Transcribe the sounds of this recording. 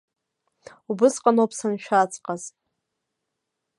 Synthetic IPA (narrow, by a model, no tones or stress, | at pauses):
ubɨsqʼanopʰsanʃᶣat͡sʰʼqʼaz